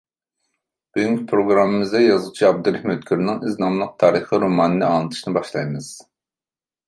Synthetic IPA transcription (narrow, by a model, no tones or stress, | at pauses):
b̥yɡyŋʲkʲʰpʰɾoɡɾɑmːɨmɪzd̪ɛjɑzʁt͡ʃʰiɑb̚d̪uɾɪhmøt̪kʲʰyɾnɪŋiznɑmlˠəq̚t̪ʰɑːɾɨχiɾomɑːnɨnɨɑnˠɨt̪ʰɨ̥ʃnɨbɑʃlˠɑjmɨz̥